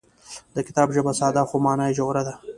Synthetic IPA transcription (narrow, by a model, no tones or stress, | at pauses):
d̪əkɪt̪ɑːbʒəbasɑːd̪aːxomɑːnaːid͡ʒowɾad̪a